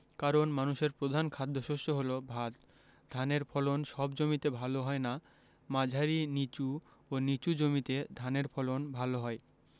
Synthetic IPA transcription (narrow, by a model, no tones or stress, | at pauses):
kaɾonmanuʃeɾpɾod̪ʱankʰad̪ʱːoʃoʃtoɦolobʱat̪ | d̪ʱaneɾfʰɔlonʃɔbd͡ʑomit̪ebʱaloɦɔena | mãd͡ʑʱaɾinit͡ɕuonit͡ɕud͡ʑomit̪ed̪ʱaneɾfʰɔlonbʱaloɦɔe